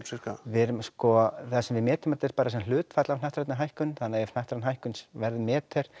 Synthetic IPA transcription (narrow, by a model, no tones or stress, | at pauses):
sɪkavɪɾmskɔθasɛmvɪmɛːt̪ɪmɛt̪ːɛɾ̥paːɾasɛml̥ʏːt̪fat̪lavnajht̪ɾat̪nɪɦajhkʏnːθanːaɛfn̥ajht̪ɾat̪nɦajhkʏnsvɛɾðɪmɛːt̪ʰɛɾ̥